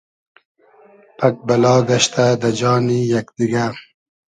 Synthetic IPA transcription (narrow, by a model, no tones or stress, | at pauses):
pʰak̚balɑːɡaʃt̪ʰad̪ad͡ʒɑːnijakd̪iɡaɾ